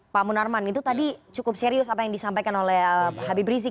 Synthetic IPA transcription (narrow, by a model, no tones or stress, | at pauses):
pamunarmanit̪ut̪adit͡ʃukʊp̚seɾiʊsapajaŋdisampajkanolɛhhabibɾizi